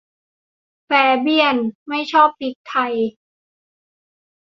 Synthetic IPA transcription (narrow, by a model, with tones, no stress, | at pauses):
fɛː˨˩bi˧˥˩ənma˥˩jt͡ɕʰɔː˥˩p̚t̪i˨˦k̚t̪ʰa˧j